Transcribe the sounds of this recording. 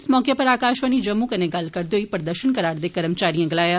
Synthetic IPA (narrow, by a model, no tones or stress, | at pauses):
smɔːkepəɾaːkaːʃʋəñiːd͡ʒəmːũːkəneːɡəlkəɾd̪eːoːiːpəɾd̪əɾʃənkəɾaːɾd̪eːkəɾəmt͡ʃaːɾijãːɡɪlaːjaː